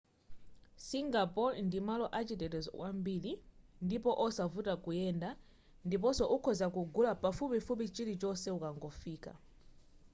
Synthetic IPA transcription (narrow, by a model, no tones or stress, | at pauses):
siŋɡapɔndimalɔʔat͡ʃitɛtɛzwʔambiːlindipɔʔɔsavutakujɛnda | ndip̬ɔsɔʔukʰɔzakuɡulapafupifup̬it͡ʃilit͡ʃɔsɛukaŋɡɔfiːka̰